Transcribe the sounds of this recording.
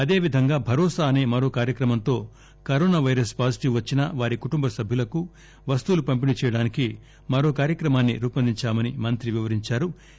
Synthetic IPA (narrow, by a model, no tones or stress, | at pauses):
ɐd̪e̞ːʋid̪ʱɐŋɡaːbʱɐɾɔːsaːɐne̞ːmɐɾo̞ːkaːɾjɐkɾɐmɐnt̪o̞ː | kɐɾoːnaːʋɐjɾɐspaːsiʈiʋʋɐt͡ʃːinɐʋaːɾikuʈumbɐsɐbʱjulɐku | ʋɐst̪uːlupɐmpinit͡ʃɛːjɐɽaːniki | mɐɾo̞ːkaːɾjɐkɾɐmaːnːiɾuːpɐnd̪ʱiɲt͡ʃaːmɐnimɐnt̪ɾiʋiʋɐɾiɲt͡ʃaːɾu